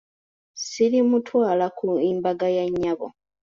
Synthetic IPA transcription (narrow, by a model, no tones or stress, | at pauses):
silimutʰwaːlakuiːmbaɡajaɲːaβo̰